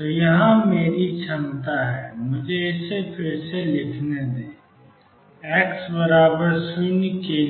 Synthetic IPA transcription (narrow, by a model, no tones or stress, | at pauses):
t̪oːjɐɦãmeːɾit͡ʃʰɐmt̪aɦɛːmʊd͡ʒʱeɪsepʰɪɾselɪkʰned̪eː | ɛːksbəɾaːbəɾsɪnke